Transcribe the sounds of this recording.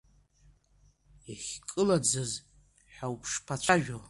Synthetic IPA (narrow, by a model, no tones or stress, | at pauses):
aχʲkʼɨlad͡zɨz | ħawpʰʂpʰat͡ɕʷʰaʒᶣo